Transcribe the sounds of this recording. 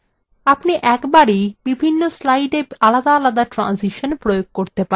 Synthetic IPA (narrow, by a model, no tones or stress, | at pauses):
apniʔɛkbaɽib̥ibʱinːoslajɖealad̪aalad̪aʈɾa̰nsiʃonpɾojoɡ̚koɾt̪epa